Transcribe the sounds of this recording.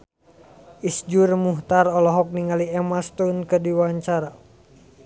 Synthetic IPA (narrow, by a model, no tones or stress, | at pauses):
ʔisd͡ʒurmuht̪arɔlɔɦɔk̚niŋaliɛmast̪unkədiwaɲt͡ʃaɾa